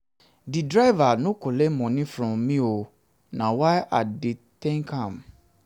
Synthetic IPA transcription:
didɾaɪvanõkʰolemɔ̃nɪĩfɾɔ̃mːĩo | nãwajʔaditɛ̃ŋkʰãm

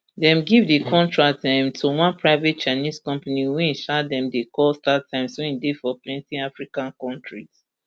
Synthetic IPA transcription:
dɛ̃mɡivdekʰɔ̃ntɹatãɪ̃mtʰuwãnpʰɹaɪvɛt̚t͡ʃaniskɔ̃mpaniwĩʃadɛ̃mdekʰɔstatʰãɪ̃mswɛ̃ĩndifɔplɛ̃ntĩafɹikãnkɔ̃ntʰɹiz̥

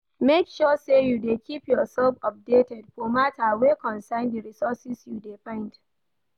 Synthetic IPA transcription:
mekʃɔsejudekʰipjɔsɛlfɔp̚detɛdfɔmatʰawekɔ̃nsaɪndəɹisɔsɪsjudefãɪ̃nd

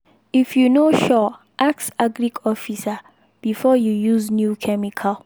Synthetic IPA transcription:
ifjunoʃɔ | ʔaksaɡɹiɡɔfisa | b̥ifɔjujuznjukʰɛmikʰal

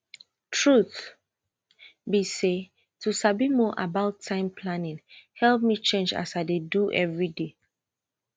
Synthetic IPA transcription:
tʰɹuθ | bise | tʰusabimɔʔabaʊtʰːãɪ̃mpʰlanĩnhɛlp̚mit͡ʃẽnd͡ʒa̰saɪdeduʔɛvɹide

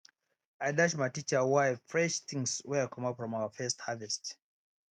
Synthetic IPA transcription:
ajdaʃmajtit͡ʃə˞waɪfɹɛʃθɪ̃ŋswɛkʰɔ̃mapfɹɔ̃mawəfɜsthavɛst

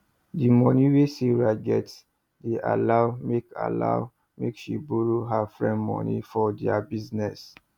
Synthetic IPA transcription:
dimɔ̃niweseɹad͡ʒɛt | deʔa̰lawmeka̰la̰ʊ | mḛkʃibuɹoɦafɹɛ̃mɔ̰̃nḭfɔdɛabiznɛs

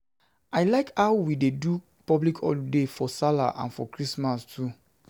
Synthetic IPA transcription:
aɪlaɪkhawwidedu | pɔblikʰɔ̰defɔsala̰ʔã̰nfɔ̰kɹismastʰu

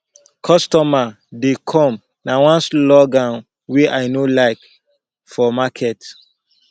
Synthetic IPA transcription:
kʰɔstɔma | dekʰɔ̃m | nawɔ̃nslɔɡãn | wiʔaɪnolaɪk | fɔmakʰɛt

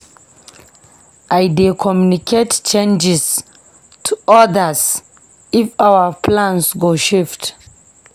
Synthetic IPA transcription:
ʔaɪdekʰɔmjunikʰett͡ʃẽnd͡ʒɪs | tʰuɔdəs | ifawəpʰlãnsɡoʃɪft

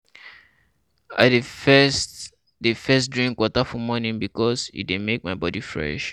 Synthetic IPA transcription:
a̰ɪdeɛst | defɛstdɹĩŋkwɔtafɔmɔnĩnbikɔsḭdemek̚maɪbɔdifɹɛ̰ʃ

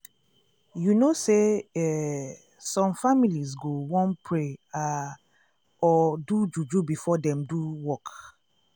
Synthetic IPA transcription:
junoseɛ | sɔ̃mfamilizɡowɔ̃npʰɹea | ɔdud͡ʒud͡ʒubifɔdɛ̃mduwɔk

